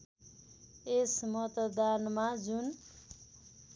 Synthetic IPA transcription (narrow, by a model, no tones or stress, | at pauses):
esmʌt̪d̪anmad͡zun